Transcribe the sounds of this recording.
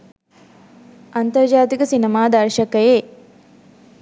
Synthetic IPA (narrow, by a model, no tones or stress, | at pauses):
ɐnt̪ɐɾd͡ʒaːt̪ikɐsinɐmaːd̪ɐɾʃɐkɐjeː